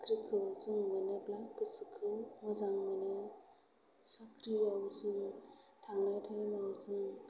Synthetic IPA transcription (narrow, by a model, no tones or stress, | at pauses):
kɾikʰɯawzɯŋmaneblakkɯsɯkʰɯmɔzaŋmane | sakʰɾiawzɯŋtʰaŋajtʰajmawzɯŋ